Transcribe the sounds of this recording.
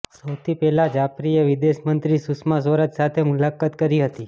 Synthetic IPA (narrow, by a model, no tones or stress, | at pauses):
səwt̪ʰipɛɦlad͡ʒapɾijəʋid̪eʃmənt̪ɾisusmas̬ʋəɾət̪sat̪ʰemulakat̪kəɾiɦət̪i